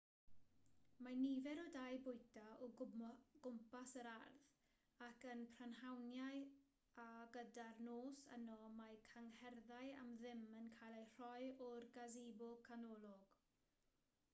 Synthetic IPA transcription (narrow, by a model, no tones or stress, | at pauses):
manivɛɾɔdajbʊjtaɔɡ̥ʊmpasəɾarθ | akənpʰranhawnjaj | aɡədarnoːsə̰nɔmajkʰaŋhɛrðaja̰mðɪmənkʰajlˠajr̥ɔjɔrɡazeːbʊlˠkʰanɔlˠɔɡ̥